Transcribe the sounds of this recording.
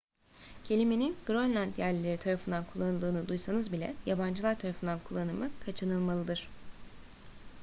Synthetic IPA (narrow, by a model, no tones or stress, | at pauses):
cʰe̞lʲimeninɡ̥ɾonlʲænd̪jæɾlʲeɾit̪ʰaɾafɯnd̪ankʰulˠːanɯlˠd̪ɯːnud̪ujsanɯzbilʲɛ̰jaband͡ʒɯlˠaɾt̪ʰaɾafɯnd̪ankʰulˠːanɯmɯkʰat͡ʃʰɯnɯlˠmalˠɯd̪ɯɾ̝̥